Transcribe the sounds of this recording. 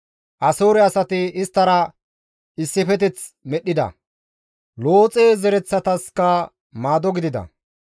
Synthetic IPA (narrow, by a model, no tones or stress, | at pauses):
ʔɐsoːɾɛɐsɐt̪ɪɪst̪ːɐɾɐ | ɪsːɪfɛt̪ɛt͡smɛɗːɪd̪ɐ̰ | lo̞ːt͡sʼeːzɛɾɛt͡sːɐt̪ɐskɐ | maːd̪ɔɡɪd̪ɪd̪ɐ̰